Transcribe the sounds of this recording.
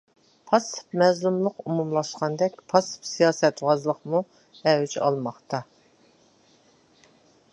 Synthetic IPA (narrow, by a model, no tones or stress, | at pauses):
pʰɑsɨ̥pmɛzlˠumlˠəqumumlˠɑʃqɑnd̪ɛkʲpʰɑsɨ̥psijɑːsɛt̪wɑzlˠəqmu | ɛwyt͡ʃɑ̰lˠmɑχt̪ʰɑ